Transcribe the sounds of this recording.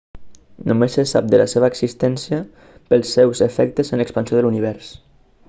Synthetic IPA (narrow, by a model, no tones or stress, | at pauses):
numesesap̚d̪əlaseβ̞əːksist̪ɛnsiə | pəlˠsːɛwzefɛk̚t̪əzənləkspənsijoðəluniβ̞ɛɾs